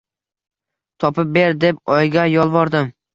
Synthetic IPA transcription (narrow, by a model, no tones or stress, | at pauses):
t̪ʰɒpɪp̚be̞ɾd̪e̞p̚ɒjɡʲajɒlˠvɒɾd̪ɪm